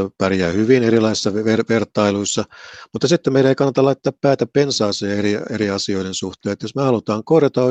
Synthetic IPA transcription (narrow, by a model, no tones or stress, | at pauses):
pærjæːhyʋineɾilɑisisːɑʋʋerʋert̪ɑiluisːɑmut̪ːɑsit̪ːemmeiɾæeikɑnːɑt̪ɑlɑit̪ːɑːppæːt̪æppensɑːseːerieɾiɑsio̞iɾensuht̪eːet̪josmehɑlut̪ɑːŋkorjɑt̪ɑo